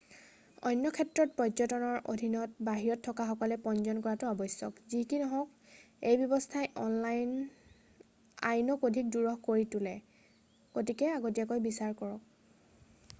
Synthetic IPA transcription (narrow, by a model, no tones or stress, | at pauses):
ɔjnːɔkʰɛtɹɔt̚pɹɔjzɔtɔnɔɹʔo̰dʱinɔtbaɦiɹɔtʰːɔkaxɔkɔlɛpɔnzɔnkɔɹatʊɔbɔjsɔ̰kzikinɔɦɔk̚ | ejbjɔbɔstʰajʔɔnlajn | a̰jnɔkodʱik̚duɹɔɦkoɹitʊlɛ | ɡ̥otikɛaɡotijakojbisaɹkɔɹɔk̚